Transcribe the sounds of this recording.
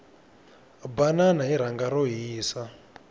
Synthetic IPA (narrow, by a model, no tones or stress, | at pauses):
bananaiɾ̤aŋɡaɾoɦiːsa